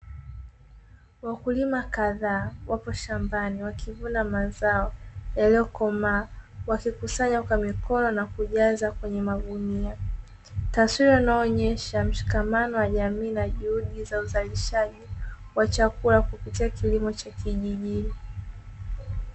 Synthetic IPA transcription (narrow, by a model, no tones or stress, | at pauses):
wakulimakaðaːwapɔʃambaniwakʰivunamazaɔjalɛɔkɔmawakikusaɲakwamikɔnɔnakuʄazakwɛɲɛmaɠunia | taswiɾawanaɔːɲɛʃam̩ʃi̥kamanɔwaʄamiːnaʄuhuɗizauzaliʃaʄiwat͡ʃakulakupitiakilimɔt͡ʃakiʄiʄini